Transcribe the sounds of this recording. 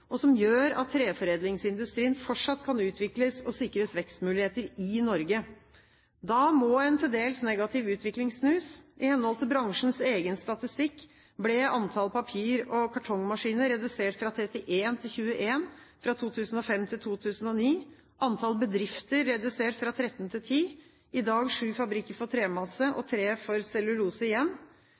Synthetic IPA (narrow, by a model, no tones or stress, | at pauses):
ɔsɔmjøːɾɑ̰t̪ʰːɾeːfɔɾeːd̪lɪŋsɪnd̪ʉst̪ɾiːənfɔʈʂɑt̪ːkʰɑnʉːt̪ʰʋɪkləsɔsɪkːəɾəsʋɛkst̪mʉːlɪheːt̪əɾɪnɔɾɡə | d̪ɑmɔːɛnt̪ʰɪld̪eːlsnɛɡɑt̪ʰɪʋʉːt̪ʰʋɪklɪŋssnʉːsʔɪhɛnːhɔlt̪ɪbɾɑŋʂn̩seːɡənst̪ɑt̪ɪst̪ɪkː | blɛɑnt̪ʰɑlpɑpʰiːɾɔkʰɑʈʰɔŋmɑʂiːnəɾɛd̪ʉseːʈfɾɑt̪ʰɾɛt̪ɪʔeːnt̪ʰɪlçʉːəʔeːnfɾɑt̪ʰuːt̪ʰʉːsn̩ɔfɛmt̪ʰɪlt̪ʰuːt̪ʰʉːsn̩ɔniː | ʔɑnt̪ʰɑlbəd̪ɾɪft̪əɾːɛd̪ʉseːʈfɾɑt̪ʰɾɛt̪ːənt̪ʰɪlt̪ʰiː | ɪd̪ɑːɡʂʉːfɑbɾɪkːəɾfɔt̪ʰɾeːmɑsəʔɔ̰t̪ʰɾeːfɔɾsɛlʉɾuːsəɪjɛnː